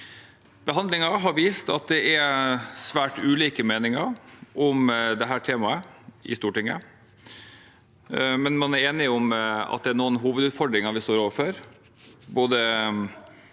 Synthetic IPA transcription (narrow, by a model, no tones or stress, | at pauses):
b̥əɦɑnd̪lɪŋɑɦɑɾʋiːst̪ɑ̰t̪̚d̪ɛʔæsʋæːʈʉːliːkəmeːnɪŋɑɾʔɔmd̪ɛɦæːʈʰeːmɑəʔɪ̰st̪uːʈɪŋːə̰ | mɛnmɑnæɾeːnɪʊmɑ̰t̪̚d̪ɛæɳoːənɦuːʋəd̪ʉːt̪fɔɖɾɪŋɑʋɪst̪oːɾoːʋəɾfɔɾ | boːd̪ə